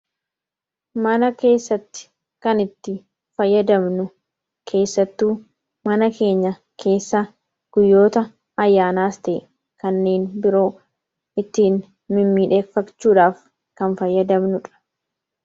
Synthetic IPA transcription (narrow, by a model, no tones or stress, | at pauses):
mɐnɐke̞ːsːɐt̪ːɪ̥ | kɐnɪt̪ːɪ | fɐjːɐd̪ɐmnʊ | kʰe̞ːsːɐt̪ːuː | mɐnɐkʰe̞ːɲːɐ | kʰe̞ːsːɐ | ɡ̥ʊjːo̞ːt̪ɐ | ɐjːaːnaːst̪ɛʔ | kɐnːe̞ːnbɪɾo̞ː | ɪt̪ːiːn | mɪmːiːᶑe̞ːfːɐkt͡ʃːuːᶑaːf | kɐnfɐjːɐd̪ɐmnʊᶑɐ̥